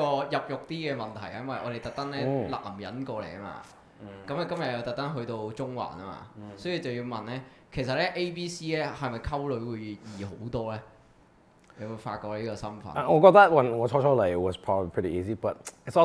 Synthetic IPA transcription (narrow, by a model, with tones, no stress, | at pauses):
ɔː˧jɐ˨˩p̚jʊ˨k̚t̪iː˥kɛː˧mɐ˨nt̪ʰɐ˨˩jɐ˦˥mwɐ˨jʔɔ̰ː˨˧t̪e˨jt̪ɐ˨k̚t̪ɐ˥ŋlɛː˦˥lɐ̰˨˩m˩˨jɐ̰˨˥nkɔː˧lḛ˨˩jɐ˥ma̰ː˧ | kɐ˨˥mɐː˨˧kɐ˥mjɐ˨t̚jɐ˧wt̪ɐ˨˩k̚t̪ɐ˥nɦɵ˧ɥt̪o˧wt͡sʊ˥ŋwa̰ː˨˩nɐ˥ma̰ː˧sɔː˨˥ji˧t͡sɐ˨wjiː˧wmɐ˨nlɛː˥ | kʰe˨˩js̬ɐ˨t̚lɛː˦˥ʔe˥jpiː˥siː˥lɛː˥hɐ˨˩mɐ˨˩jkʰɐ˥wlɵ˨˥ɥwuː˨˧jjiː˨˩ɦo˨˥wt̪ɔː˥lɛː˥ | le˨˧wu˨˧jfa̰ː˧t̚kɔː˧k̚liː˥kɔː˧sɐ˥mfɐ̰˨˦n˨ʔɔː˨˧kɔ˧t̪̚ɐ˥t̚wɐ˨nŋɔː˨˧t͡ʃʰɔː˧t͡ʃʰɔː˦˥le˨˩ɪwɔ˨z̥pʰɹ̥ɔː˥bəbli˨pʰɾḭ˨ʔiː˧zi˧bɐ˨t̚ɪ˨tsɔ˦